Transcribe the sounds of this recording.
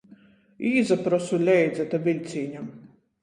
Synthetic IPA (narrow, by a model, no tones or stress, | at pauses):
iːzapɾɔsulʲɛjd̪zɛt̪avʲilʲt̪sʲiːɲʲa